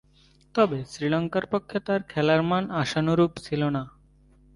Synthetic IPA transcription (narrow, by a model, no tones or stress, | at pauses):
t̪ɔbesɾilɔŋkaɾpokʰːet̪aɾkʰɛlaɾmanaʃanoɾupt͡ɕʰilona